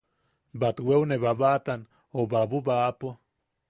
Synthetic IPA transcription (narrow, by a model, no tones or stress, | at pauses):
bat̪wewneβaβat̪an | obabubapo